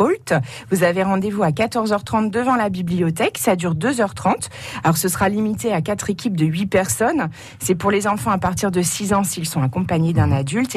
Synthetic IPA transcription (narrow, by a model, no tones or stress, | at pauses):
olt̪ | vuzaveʁɑ̃d̪evuakat̪ɔʁzœʁt̪χɑ̃t̪̚d̪əvɑ̃labiblijɔt̪ɛksad̪yʁd̪øzœʁt̪χɑ̃t̪ | alɔʁsəsχalimit̪eakat̪χekʲip̚d̪əɥipɛʁsɔn | sɛpuʁlezɑ̃fɑ̃apaʁt̪iʁd̪əsizɑ̃silsɔ̃akɔ̃paɲed̪ɛ̃nad̪ylt̪